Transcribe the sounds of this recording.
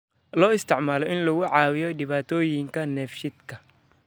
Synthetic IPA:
lɔːɪst̪ʰɪʕmaːlɔʔɪnlɐɣʊʕɑːwɪjɔɖɪβaːt̪ʰɔːjɪŋkʰɐnɛfʃɪd̪kʰɐ

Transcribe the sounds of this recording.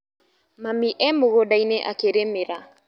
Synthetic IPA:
mamiʔɛmoɣodaineʔa̰keɾemeɾa

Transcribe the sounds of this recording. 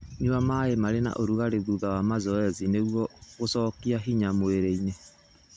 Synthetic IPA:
ɲuamaemaɾena̰ʔoɾuɣaɾeðuðawamazɔɛzineɣwɔɣosɔːkiaɦiɲamoeɾeine

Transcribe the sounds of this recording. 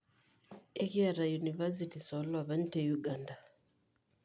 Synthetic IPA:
ɛkiaɾajunivas̬itisɔlwaβan̩tɛjuɡanda

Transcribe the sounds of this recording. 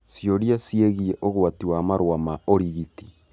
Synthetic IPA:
sjoɾiasijeɣieʔoɣwatiwaːmaɾwamaoɾiɣiti

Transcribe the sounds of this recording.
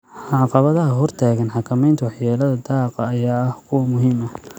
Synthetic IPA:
ʕɑqɑβɐðɐɦɐɦɔrt̪ʰaːɣɐnħɑkʰɐmɛjnt̪ʰɐwɑħjaːlɐðɐd̪ɑːqɑːjaːɐhkʰʊwɐmʊɦiːmɐ

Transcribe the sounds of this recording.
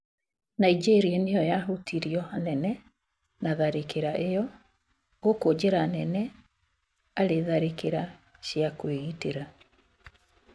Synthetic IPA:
naid͡ʒeɾianejɔjaɦotʰiɾiɔanɛnɛ | naðaɾekeɾaʔejɔ | ɡokod͡ʑeɾanɛnɛ | aɾeðaɾekeɾa | ɕjakweɣiteɾa

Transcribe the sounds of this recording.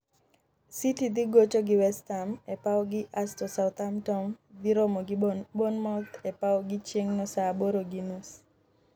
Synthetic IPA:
sitid̪ɪɡot͡ʃoɡɪwɛstamɛpaɔɡɪʔastɔsaʊt̪amtɔmd̪iɾɔmɔɡbonmɔt̪ɛpawɔɡɪt͡ʃjeŋnɔsaboɾoɡinus

